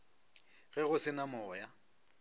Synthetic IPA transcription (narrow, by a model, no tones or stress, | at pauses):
ɣɛɣʊsɪnamɔːja